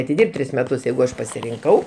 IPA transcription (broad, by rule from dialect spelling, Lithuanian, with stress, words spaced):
ɐtʲɪˈdʲɪrʲpʲtʲ ˈtʲrʲɪs mʲɛˈtʊs ˈjɛɪɡʊ ˈɐʃ pɐsʲɪrʲɪŋˈkɐʊ